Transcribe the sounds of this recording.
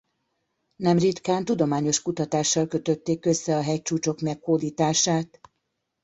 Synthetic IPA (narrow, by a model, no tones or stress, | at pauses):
nɛmrit̪kaːnt̪ud̪o̞maːɲo̞ʃkut̪ɒt̪aːʃːɒlkø̞t̪ø̞t̪ːeːkːø̞sːɛɒɦɛj̚t͡ʃuːt͡ʃo̞kmɛkhoːd̪iːt̪aːʃaːt̪